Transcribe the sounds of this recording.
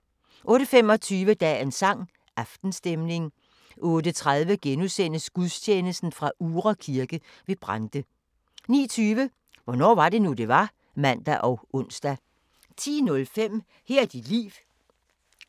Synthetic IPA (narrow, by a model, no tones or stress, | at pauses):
ʔɔ̽ːɾ̥əfemɒ̽t͡sʰyːʋəd̥ɛ̰ensɑ̈ŋ̰ | ʔɑ̈fd̥n̩sd̥emne̝ŋ | ʔɔ̽ːɾət͡sʰʁað̞ˠʋəɡ̥enusen̰əsɡ̥uðˠst͡ɕʰeːnəsd̥n̩fʁɑ̈ʔuːʁɐkʰiɐɡ̥ə | ʋe̝b̥ʁɑnd̥ə | nḭːɐt͡sʰyːʋə | ʋɒnɒ̰ːʋɑ̈d̥e̝nud̥e̝ʋɑ̈ | mæn̰d̥æʔɒ̽ʊʔɔ̽n̰sd̥æ | t͡sʰḭːnɔ̽lfem̰ | heɐ̰d̥id̥lḭːʋ